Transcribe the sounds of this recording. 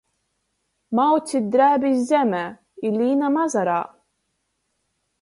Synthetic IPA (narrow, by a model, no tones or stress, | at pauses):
mawt͡sːid̪ɾæbizzæmæ | ilːinæmɑzˤɾˤɑ